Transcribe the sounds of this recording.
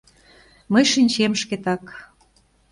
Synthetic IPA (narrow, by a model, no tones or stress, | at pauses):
məjʃinʲt͡ɕemʃket̪ɑk